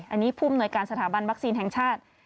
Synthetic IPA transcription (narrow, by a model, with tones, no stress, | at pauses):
ʔa˧nːiː˦˥pʰuː˥˩a˨mnu˧əjkaː˧nsa˧t̪ʰaː˩˦ba˧nwa˦˥k̚siː˧nɦɛ˨˩ŋt͡ɕʰaː˥˩t̪̚